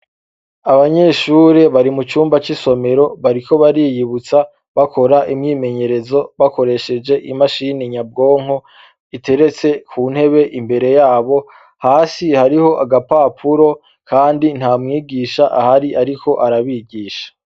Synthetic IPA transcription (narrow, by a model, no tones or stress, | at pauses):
aβaɲe̞ʃuːɾe̞βaɾimut͡ʃuːmbat͡ʃiso̞me̞ɾo̞βaɾiko̞βaɾiːjiβut͡sa | βako̞ɾaʔimɲiːme̞ɲe̞ɾe̞zo̞βako̞ɾe̞ʃe̞d͡ʒe̞ʔimaʃiniɲab̚ɡo̞ːŋ̥o | ite̞ɾe̞t͡se̞kʰuːn̥he̞βe̞ʔimbe̞ɾe̞jaːβo̞ | haːsihaɾiho̞ʔaɡapapʰuɾo̞ | kaːndin̥haːmŋiːɡiːʃaʔahaɾiʔaɾikʰo̞ʔaɾaβiɡiːʃḁ